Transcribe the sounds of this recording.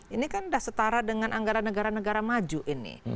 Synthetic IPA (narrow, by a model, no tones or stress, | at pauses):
inikanudahsət̪aɾadəŋanʔaŋɡaɾanəɡaɾanəɡaɾamad͡ʒuʔinɪ̰